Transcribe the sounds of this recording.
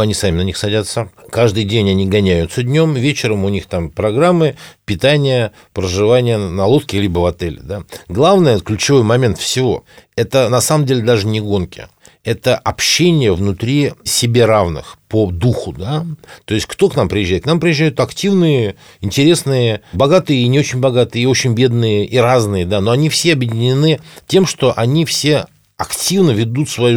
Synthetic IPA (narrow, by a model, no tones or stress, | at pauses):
ɐnʲisamʲɪnɐnʲixsɐdʲat̪sːəkaʐd̪ɨjdʲenʲɐnʲiɡɐnʲæjʊt̪səd̪ʲnʲo̞mvʲet͡ɕɪɾəmʊnʲixt̪ampɾɐɡɾamːɨpʲɪt̪anʲɪjə | pɾəʐɨvanʲɪjənɐlˠot̪kʲɪlʲibəvɐt̪ɛlʲɪ̰d̪aɡlˠavnəjəklʲʉt͡ɕɪvo̞jmɐmʲe̞nt̪fsʲɪvo̞̰ɛt̪ənɐsaməmdʲelʲɪd̪aʐɨnʲɪɡo̞nkʲɪ̰ | ɛt̪əʔɐpɕːenʲɪjəvnʊt̪ɾʲisʲɪbʲe̞ɾavnɨ̰xpəd̪uxʊd̪at̪o̞ɪsʲt̚ʲkt̪o̞knampɾʲɪjɪʒʑːæjɪt̪knampɾʲɪjɪʑːæjʊt̪ɐktʲivnɨjə | ɪnʲtʲɪɾʲe̞snɨjəbɐɡat̪ɨjəinʲɪo̞t͡ɕɪnʲbɐɡat̪ɨjəio̞t͡ɕɪnʲbʲe̞d̪̚nɨjəʔiraznɨjəd̪ano̞ɐnʲifsʲeɐbjɪdʲɪnʲɪnɨtʲe̞mʂt̪o̞ʔɐnʲifsʲe̞ | ɐktʲivnəvʲɪd̪ut̪svɐju